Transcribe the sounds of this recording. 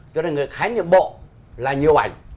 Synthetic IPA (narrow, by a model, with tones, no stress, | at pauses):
t͡ɕɔ˧ne˧˩ŋɨ˨˩əjxaː˨˦ɲḭ˧˨mɓo̰˧˨ | laː˨˩ɲi˨˩əwʔa˨˩jŋ̟